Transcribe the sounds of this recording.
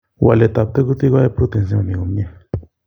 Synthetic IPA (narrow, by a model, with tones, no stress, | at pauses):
wa̰˨le˨t̪a˨p̚t̪e˦ku˦t̪i˦ɣa˦e˦pɾu˦t̪e˨ns̬jã˧nĩ˨o˨m˦e˦˨